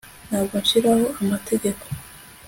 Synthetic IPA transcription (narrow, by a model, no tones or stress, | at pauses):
nhaːbɡonʃiɾaho̞amate̞ɟe̞ko̥